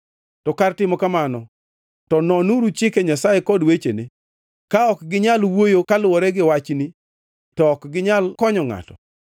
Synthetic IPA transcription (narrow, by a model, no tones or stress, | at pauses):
tɔkartɪmɔkamanɔ | tɔnɔnuɾut͡ʃɪkɛɲasajekɔdwet͡ʃenɪ | kaɔkɡɪɲalwojokalʊwɔɾɛɡɪwat͡ʃni | tɔːkɡɪɲalkɔɲɔŋa̰tɔ̰